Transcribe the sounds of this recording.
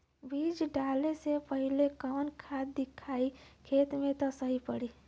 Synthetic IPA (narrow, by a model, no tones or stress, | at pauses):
bʱid͡ʒɖaːlesepəɦilekɔːnkʰad̪ɪkʰaːikʰeːt̪mẽt̪ɔsəɦipəɽiː